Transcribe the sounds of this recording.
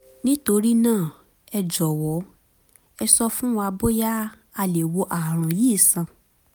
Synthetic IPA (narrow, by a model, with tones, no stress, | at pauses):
nĩ˦to˧ɾi˦nãː˦˨ | ɛ˧d͡ʒɔ˨wɔ˨˦ | ɛ˧sɔ˧fũ˦wa˧bo˦ja˦ | a˧le˨wo˧ʔa˨ɾ̃ã˨jiː˦˨sã˨